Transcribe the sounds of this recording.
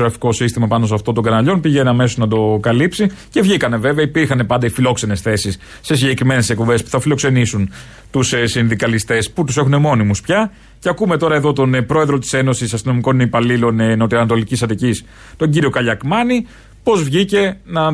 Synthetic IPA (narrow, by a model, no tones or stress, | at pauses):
oɾɐfi̥ko̞sist̪imɐpɐnosɐft̪ot̪oɡɐnɐʎo̞npiʝe̞nɐme̞so̞znɐd̪o̞kɐlipsice̞vʝikɐne̞ve̞veɐipiɾxɐne̞pɐnd̪ɐifilo̞kse̞ne̞sθe̞sis | se̞siɲɟe̞kɾime̞ne̞sek̚pobe̞spu̥θɐfilo̞kse̞nisun | t̪ussinðikɐlist̪e̞sput̪use̞xune̞mo̞nimuspçɐ | ceɐkume̞t̪o̞ɾɐe̞ðo̞t̪o̞npɾo̞e̞ðɾo̞t̪i̥se̞no̞sisɐst̪ino̞miko̞nneipɐlilo̞nnot̪iɐnɐt̪o̞licisɐt̪icis | t̪o̞ɲɟiɾio̞kɐʎɐkmɐni | po̞zvʝice̞nɐ